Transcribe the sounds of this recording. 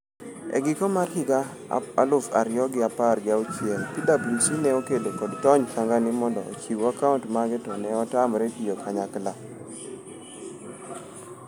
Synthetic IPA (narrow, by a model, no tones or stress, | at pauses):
ɛ̰ɡɪkɔmarhɪɡa | alʊfa̰ɾjɔɡɪaparɡɪaʊt͡ʃɪɛlpidabulsinɛokedokɔdtɔɲt͡ʃaŋɡanɪmɔndɔ̰o̰t͡ʃiwakauntmaɡɛtɔnɛɔtamɾetijokʰaɲakla